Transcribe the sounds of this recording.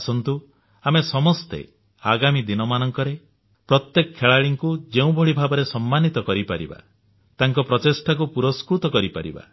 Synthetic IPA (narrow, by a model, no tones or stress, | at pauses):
asɔnt̪u | amesɔmɔst̪ḛ | aɡamid̪inɔmanɔŋkɔɾe | pɾɔt̪jekɔkʰːeɭaɭiŋkud͡ʒeũbʱɔɭibʱabɔɾesɔmːanit̪ɔkɔɾipaɾḭba̰ | t̪aŋkɔpɾɔt͡ʃesʈakupuɾɔskɾut̪ɔkɔɾipa̰ɾḭba̰